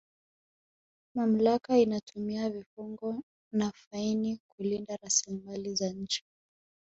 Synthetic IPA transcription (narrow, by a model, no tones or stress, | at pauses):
mam̩lakainatʰumiavifuŋɡɔ | nafainikulindaɾasilimalizaɲ̩t͡ʃi̥